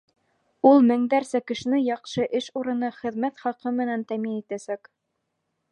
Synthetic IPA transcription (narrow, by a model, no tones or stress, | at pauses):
ulˠmɘ̆ŋd̪æɾsækɘ̆ʃɘ̆nɘjɑqʃɤʔɘʃuɾɤ̆nɤχɘ̆ðmæt̪χɑqɤmɘ̆nænt̪æminit̪æsæk